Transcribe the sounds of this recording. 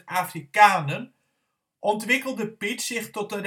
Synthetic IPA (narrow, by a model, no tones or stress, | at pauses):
aːfrikaːnən | ʔɔntʋɪkəlˠdəpɪtsɪχtɔtər